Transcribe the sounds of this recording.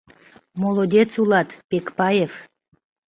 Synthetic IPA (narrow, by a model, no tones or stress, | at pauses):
molod̪ʲet͡sulɑt̪pekpɑjef